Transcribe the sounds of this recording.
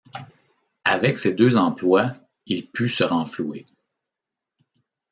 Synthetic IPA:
avɛksed̪øzɑ̃plwa | ilpysəʁɑ̃flue

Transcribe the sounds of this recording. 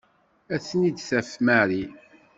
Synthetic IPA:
æθnid̪θæfmæɾi

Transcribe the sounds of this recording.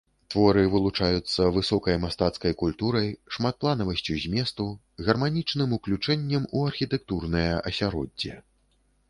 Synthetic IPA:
t̪vɔɾɨvɨlˠut͡ʂajut̪sːɐvɨsɔkɐjmast̪at̪skɐjkulʲt̪uɾɐjʂmat̪̚plˠanɐvɐsʲt͡sʲuzʲmʲɛst̪u | ɣɐrmanʲit͡ʂnɨmuklʲut͡ʂɛnʲːɐmuɐrxʲit̪ɛk̚t̪urnɐjɐʔɐsʲaɾɔ̰dʲːɛ̰

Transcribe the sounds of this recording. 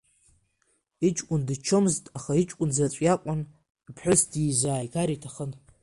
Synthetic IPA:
it͡ʃʼkʷʼʊndɨt͡ʃʰomztʼaχait͡ʃʼkʷʼʊnzat͡ɕʷʼjakʷʼan | pʰħʷᶣʊsdiːzaːjɡaɾitʰaχən

